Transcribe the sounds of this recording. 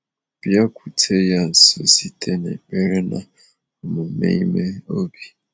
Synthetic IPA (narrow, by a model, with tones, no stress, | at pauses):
b̥ja˦kʰʷu˨tʰe˦ja˦n̩˨so̰˦si˦tʰe˦nḛ˨k͡pe˦ɾe˦na̰˨ | mu˨mḛ˦i˦me˦o˦bi˨